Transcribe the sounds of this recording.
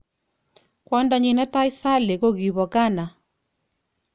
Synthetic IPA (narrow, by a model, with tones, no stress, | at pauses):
kwɔ˦ndɔ˨ɲɪ˨nɛ˦ta˦i˦sa˦le˨ko˦ɣi˨βɔ˨ka˦na˨